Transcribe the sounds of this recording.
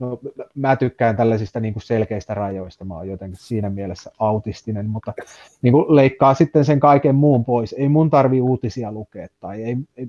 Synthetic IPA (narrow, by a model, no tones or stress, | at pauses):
nomæt̪ykːæint̪ælːæsist̪æniːŋkusselkeist̪ærɑjoist̪ɑmɑ̰ːjot̪eŋkissiːnæmielesːæɑut̪ist̪inenmut̪ːɑ | niːŋkuleikːɑːsit̪ːenseŋkɑikemmuːmpoiseimunt̪ɑrʋiuːt̪isiɑlukeːt̪ːɑieie